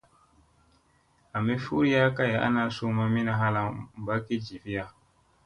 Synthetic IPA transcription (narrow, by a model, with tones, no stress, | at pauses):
a˨me˦fu˦ɾi˦jaː˦ka˦ja˨˦ʔa̰˦na˨su˦ma˦mi˦na˨ɦa˦la˨ba˦ki˦d͡ʒi˨fi˦ja˦